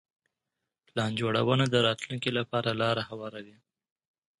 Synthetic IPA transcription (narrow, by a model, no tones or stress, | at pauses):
plɑnd͡ʒoɽa̰wənad̪əɾɑt̪luŋkilapɑɾalɑɾahawɑɾawi